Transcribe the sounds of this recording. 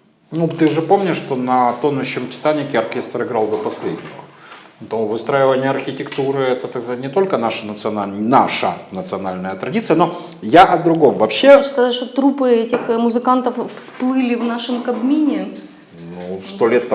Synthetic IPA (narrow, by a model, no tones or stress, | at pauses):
nut̪ɨʐɨpo̞mnʲɪʂːt̪onɐt̪o̞nʊɕːɪmtʲɪ̥t̪anʲɪkʲɪɐrkʲe̞st̪ɾɨɡɾɑlˠd̪əpɐsʲlʲedʲnʲɪvə | d̪ovɨst̪ɾajɪvənʲɪjəɐrxʲɪtʲɪkt̪uɾɨɛt̪ət̪ɐɡztʲnʲɪt̪o̞lʲkənaʂənət̪sɨɐnanaʂənət̪sɨɐnalʲnəjət̪ɾɐdʲit̪sɨjəno̞ | jaʔɐd̪ɾʊɡo̞mvɐpɕːeot͡ɕʊskɐzatʲʂt̪ot̪ɾupɨɛtʲɪxmʊzɨkant̪əffsplˠɨlʲɪvnaʂɨmkɐbmʲinʲɪ | nust̪olʲet̪ː